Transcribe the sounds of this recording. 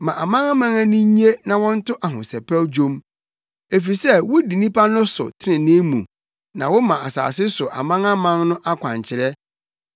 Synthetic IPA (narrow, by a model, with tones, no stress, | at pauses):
mã˨ʔa˨mã˦ŋa˦mã˦ŋa˦nĩ˦ɲi˦e˦nã˨wɔ̃˦n̩˦tʊ˦ʔa˨ɦʊ̰̃˨sɛ˨pʰɛ˦wd͡ʑõ˦m | e˨fi˨sɛ˦˨wʊ˦di˨nĩ˦pʰa˦nʊ̃˦sʊ̰˨tʰɪ˦nɪ̃˨nɪ̃˦mṵ̃˨ | nã˨wɔ˦mã˨ʔa˨sa̰ː˨s̬ɪ˦sʊ˨ʔa̰˨mã˦ŋa˦mã˦ŋnʊ̃˦ʔa˦kʷʰã̰˨ɲt͡ɕʰɪ˨ɾɛ˦